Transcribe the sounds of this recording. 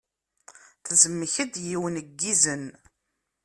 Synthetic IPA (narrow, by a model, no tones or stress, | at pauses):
θəzəmːəçəd̪jiwənəɡːizən